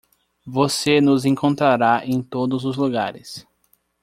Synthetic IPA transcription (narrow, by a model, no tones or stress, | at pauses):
vosenʊzẽŋkõnt̪ɾaɾaẽj̃t̪od̪ʊzʊzluɡaɾɪs